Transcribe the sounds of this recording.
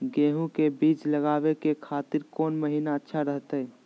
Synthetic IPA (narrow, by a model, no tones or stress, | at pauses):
ɡẽːɦũkebiːt͡ʃləɡaːwekekʰaːt̪ɪɾkɔːnməɦiːnaətːʃʰaɾəɦt̪ɛː